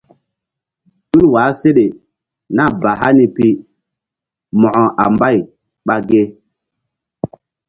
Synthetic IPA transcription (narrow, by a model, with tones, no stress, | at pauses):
ɗu˦lwa˨˦se˦ɗe˨ | na˦˨ba˨ɦa˦ni˦pi˦ | mɔ̃˨ʔɔ˨ʔa̰˨mba˦˨j | ɓa˨ɡe˦